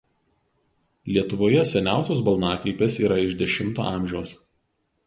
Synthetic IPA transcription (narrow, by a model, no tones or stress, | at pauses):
lʲiɛt̪ʊʋoːjɛsʲɛnʲæˑʊsʲoːs̬bɐlˠnɑːkɾʲiɪpʲeːsiːɾɐɪʒd̪ʲɛʃʲɪmˑt̪o̰ːɑˑmʲʒʲɛʊs